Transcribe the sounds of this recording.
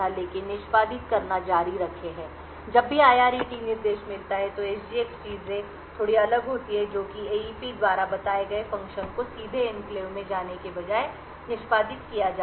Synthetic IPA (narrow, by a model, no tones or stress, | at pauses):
aleːkɪnːɪʃpaːd̪ɪt̪kɐɾnad͡ʒaːɾiɾɐkʰeɦɛ̃ː | d͡ʒɐbːiaːjaːɾiʈinɪɾd̪eːʃmɪlt̪aɦɛt̪oeːsd͡ʒieːkt͡ʃiːzẽ | t̪ʰoːɽiɐləɡɦoːt̪iɛd͡ʒoːkieːiːpid̪ʋaːɾabɐt̪aːeɡɐefɐ̃ŋkʃənkosiːd̪ʱeɪmpleːõmẽd͡ʒaːnekebɐd͡ʒaːe | nɪʃpaːd̪ɪt̪kijad͡ʒaː